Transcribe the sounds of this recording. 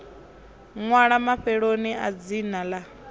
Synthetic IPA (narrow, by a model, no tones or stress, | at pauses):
ŋwaɺamaɸɛɺoniad͡zinala